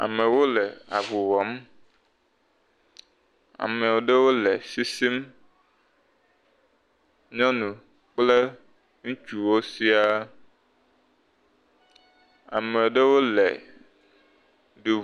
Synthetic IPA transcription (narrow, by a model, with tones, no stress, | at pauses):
a̰˨me˨wo˦le˨a̰˨vu˨wɔ˨˦m | a̰˨me˨wo˨ɖe˦wo˦le˨si˦si˦m | ɲɔ̃˦nũ˨ | k͡ple˦ | ŋũ˦t͡ʃu˨wo˦si˦a˦ | a̰˨me˨wo˨ɖe˦wo˦lḛ˨ | ɖu˨